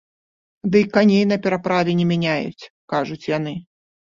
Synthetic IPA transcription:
d̪ɨjkanʲejnɐpʲɛɾapɾavʲɛnʲɛmʲɛnʲajṵt͡sʲ | kaʐut͡sʲjan̪ɨ

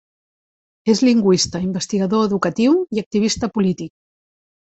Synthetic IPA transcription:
ezliŋɡwist̪əimbəst̪iɣəðoeðukət̪iwiək̚t̪iβ̞ist̪əpulit̪ik̚

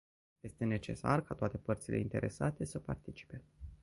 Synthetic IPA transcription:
je̞st̪e̞ne̞t͡ʃe̞̰sa̰rkat̪oat̪e̞pərt̪sile̞̰int̪e̞ɾʔe̞sat̪e̞səpart̪it͡ʃi̥pe̞

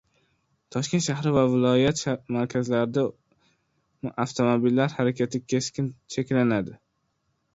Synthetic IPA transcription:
t̪ʰɒʃkʲe̞nt̪ʃahɾɪvavɪlˠɒjat̪ʃamaɾkʲʰazlaɾɪd̪a | aft̪ʰomobilːaɾhaɾakʲʰat̪ʰɪkʲʰe̞skʲɪnt͡ʃʰe̞kʲlanad̪ɪ

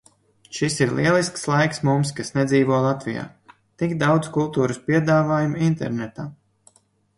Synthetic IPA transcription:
ʃisiɾlˠiɛlˠiskslˠajksmumskasnɛd̪ziːvuɔlˠat̪vʲija̰ː | t̪iɡd̪awd̪zkulˠt̪uːɾuspiɛd̪aːvaːjumint̪ɛ̰ɾnɛt̪aː

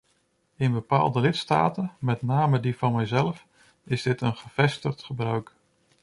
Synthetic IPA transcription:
ɪnbəpa̰ːlˠdəlɪtsta̰ːtənmɛtnaːmədifɑnmɛjzɛlˠf | ɪzdɪtənχəv̥ɛstəχtχəbrœɥk

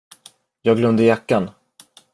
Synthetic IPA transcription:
jɑːɡlœmd̪əjakːan

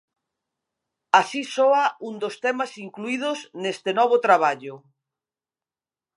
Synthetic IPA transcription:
asisoaund̪ost̪ɛmasiŋkluið̞osnest̪enɔβ̞ot̪ɾaβ̞aʎʊ

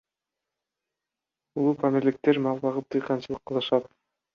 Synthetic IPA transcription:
ulˠupʰamiɾlʲik̚t̪e̞ɾmɑlˠbɑʁɯp̚t̪ʰɯjqɑnt͡ʃɯlˠɯqːɯlˠɯʃɑt̪

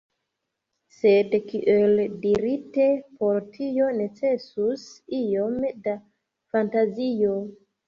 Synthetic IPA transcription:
sedkiʔeldiɾite̞po̞ɾtʰijo̞ne̞t͡se̞susijo̞mda | fantazijo̞

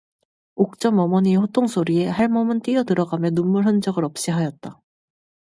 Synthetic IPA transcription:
ok̚t͡ɕ͈ʌmʌmʌɲiɸotʰoŋsʰoɾie̞haɭmʌmɯnt͈ijʌtɯɾʌɡamjʌnumːuɭɦɯnd͡ʑʌɡɯɾʌp̚ɕ͈iɦajʌt̚t͈a

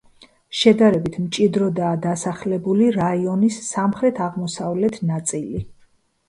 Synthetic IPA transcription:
ʃɛd̪aɾɛbit̪ʰmt͡ʃʼid̪ɾɔd̪aːd̪asaχlɛbuliɾaiɔnisːamχɾɛt̪ʰaʁmɔsavlɛt̪ʰnat̪sʼili

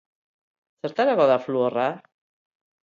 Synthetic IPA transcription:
seɾt̪aɾaɣɔðafluora

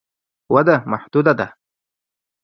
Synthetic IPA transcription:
wɐd̪amaħd̪̥ud̪ad̪a

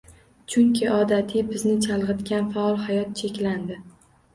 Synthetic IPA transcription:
t͡ʃʰʊŋkʲʰɪɒd̪at̪ʰɪbɪznɪt͡ʃʰalˠʁɨt̪kʲanfaɒlˠhajɒt̪̚t͡ʃʰe̞kʲland̪ɪ

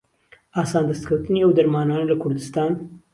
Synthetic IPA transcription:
ʔaːsaːnd̪ɐst̪kʰɐwt̪ɨniʔɐwd̪ɐɾmaːnaːnɐlɐkʰʊɾd̪ɨst̪ɑːn

